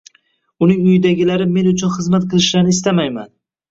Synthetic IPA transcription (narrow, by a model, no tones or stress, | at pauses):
ʊnɪŋʊjɪd̪aɡʲɪlaɾɪme̞nʊt͡ʃʰʊnχɨzmat̪̚qʰɨlˠɪʃlaɾnɪɪst̪amajman